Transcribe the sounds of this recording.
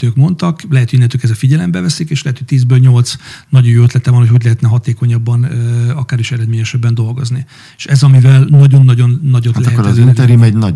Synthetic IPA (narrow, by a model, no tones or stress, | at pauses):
t̪øːkmo̞nt̪ɒklɛɦɛt̪hoinːɛnt̪øːjkɛzɛfiɟɛlɛmbɛvɛsikeːʃlɛɦɛt̪ho̞c̚ʲt̪iːzbølɲo̞lt̪snɒɟojoːøt̪lɛt̪ɛvɒnhocho̞ɟlɛɦɛt̪nɛɦɒt̪eːko̞ɲɒbːɒnɒkaːɾiʃɛɾɛd̪meːɲɛʃɛbːɛnd̪o̞lɡo̞zni | eːʃɛzɒmivɛlnɒɟo̞nːɒɟo̞nːɒɟot̪lɛɛtkːɾzinɛɾjymɛɟnɒ̰